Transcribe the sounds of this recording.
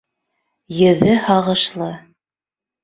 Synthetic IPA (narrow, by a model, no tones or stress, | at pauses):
jɘ̆ðɘhɑʁɤ̆ʃlˠɤ